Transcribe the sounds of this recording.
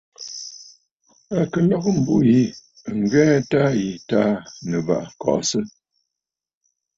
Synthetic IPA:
a˨kə˨nɔ˦kə˦m̩˨bu˦ji˦˨ | ŋ̩˨ɡɛ˦ta˦ji˨ta˦nə˨ba̰˨ʔkɔ̰˨ʔsə˦

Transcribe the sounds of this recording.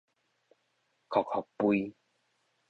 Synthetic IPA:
kʰɔ˨˩k̚hɔ˨˩k̚pwui˦

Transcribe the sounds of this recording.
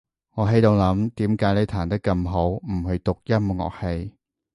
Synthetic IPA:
ŋɔː˨˧ɦe˨˧jt̪o˨˧wlɐ˨˥mt̪iː˨˥mkaː˨˥jle˨˧jt̪ʰaː˨˩nt̪ɐ˥kːɐ˧mɦo˨˥wm̩˨˩ɦɵ˨˧ɥt̪ʊ˨k̚jɐ˥mŋɔ̰ː˨˩k̚he˧j

